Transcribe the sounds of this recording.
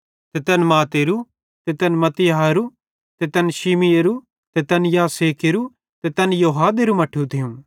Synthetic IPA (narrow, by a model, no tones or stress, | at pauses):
t̪et̪ɐnmaːt̪eːɾu | t̪et̪ɐnmɐt̪ɪjɐɦaɾu | t̪et̪ɐnʃimijeɾu | t̪et̪ɐnjaːseːkeɾu | t̪et̪ɐnjoɦaːd̪eɾumɐʈʰut̪ʰɪjũ